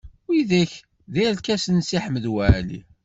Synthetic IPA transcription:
wiðæç | ðæjælkæsənsiħməðwæʕlḭ

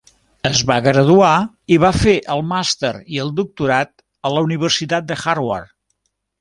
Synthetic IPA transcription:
əzβaɣɾəðua | iβafeʔəlˠmast̪ə̰ɾiəlˠd̪uk̚t̪uɾat̪ | ələuniβ̞ərsit̪at̪̚d̪əxarwa̰r

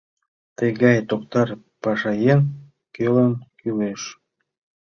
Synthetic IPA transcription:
t̪əɣɑjt̪ok̚t̪ɑr | pɑʃɑjen | kølənkyleʃ

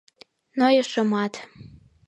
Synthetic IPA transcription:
nojɤʃəmɑt̪

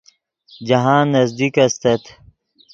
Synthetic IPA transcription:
d͡ʑɐɦãːnːɐzd̪ikɐst̪ɐt̪

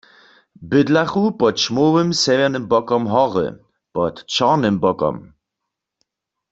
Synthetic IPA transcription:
bɪdlaχupɔtʃmoːwəmsɛvɛʁnəmbɔkɔmɦɔʁə̰ | pɔtt͡ʃaʁnəmbɔkɔ̰m

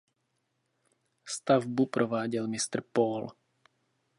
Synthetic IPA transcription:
st̪avbupɾʔɔʋaːɟilmist̪rpɔːl

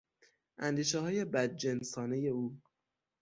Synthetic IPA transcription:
ʔænd̪iːʃɛɦɒːje̞bæd̪̚d͡ʒensɒːne̞je̞uː

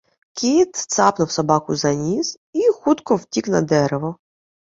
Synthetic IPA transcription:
kʲʰit̪t̪sɑpnʊwsɐbɑkʊzɐnʲiz | ixut̪kɔwtʲiknɐd̪ɛɾeʋɔ

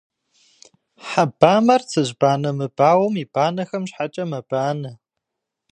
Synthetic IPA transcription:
ħabaːmɐrt͡sʰɨʑbaːnɐmɨb̥aːwɐmib̥aːnɐxɐmɕħat͡ʃʼɐmɐb̥aːnɐ

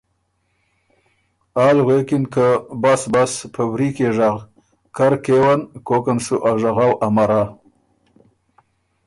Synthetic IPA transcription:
aːlɣekɪnkəbasbaspʰəwɾikeʐaɣ | kaɾkewankokanʂuʔaʒaɣawʔamaɾa

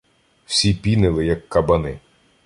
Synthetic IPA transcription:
w̥sʲipʲinɪlˠɪjɐkːɐbɐnɪ

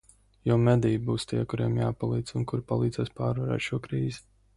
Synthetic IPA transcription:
jɔmɛd̪ijbuːst̪iɛkuɾiɛmjaːpalˠiːd̪zunkuɾpalˠiːd̪zɛːspaːɾvaɾɛ̰ːʃuɔkɾiːzi

